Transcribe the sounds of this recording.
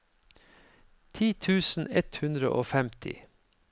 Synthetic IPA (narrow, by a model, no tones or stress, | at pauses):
t̪ʰiːt̪ʰʉːsn̩ɛt̪hʉnd̪ɾə̰ʔoːfɛmt̪ʰɪ̰